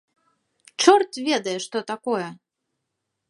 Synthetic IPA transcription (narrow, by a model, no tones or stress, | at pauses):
t͡ʂɔrt̪vʲɛd̪ɐjɛʂt̪ɔt̪akɔjɛ